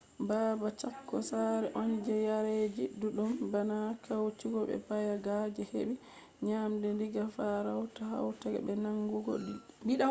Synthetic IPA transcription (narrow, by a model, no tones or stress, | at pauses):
baːbat͡ʃakːɔ̰saɾɛʔond͡ʒɛjaɾed͡ʒiduɗumbanakawt͡ʃiɡɔbɛ̰pajaɡad͡ʒɛhḛɓi | ɲamdɛndiɡafaɾawtaha̰wtaɡɛ̰bɛnaŋɡuɡɔ̰biɗa